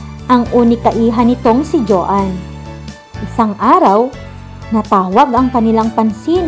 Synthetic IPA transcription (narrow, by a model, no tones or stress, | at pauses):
ʔɐŋʔuːnɪkɐʔiːɦɐnɪt̪o̞ŋsɪd͡ʒoːʔan | ʔɪsaŋʔaːɾɐw | nɐt̪aːwɐɡɐŋkɐnɪlaŋpɐnsiːn